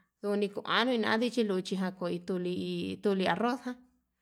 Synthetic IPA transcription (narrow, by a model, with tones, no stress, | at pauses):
ðu˧u˧nĩ˧ku˧˨ʔã̰˨˦nũ˧ĩ˧nã̰˧ã˦ði˦t͡ʃi˦lu˧t͡ʃi˧ɦã˧ko˨i˧t̪u˧li˧t̪u˧li˧a˧ro˦shã˦